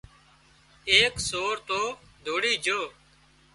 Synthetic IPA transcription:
eːksoːɾt̪oːd̪ʱoːɽiːd͡ʒʱoː

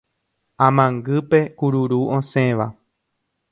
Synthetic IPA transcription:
ãmãŋɡɨpe̞kuɾuɾuʔõsẽ̞ʋa

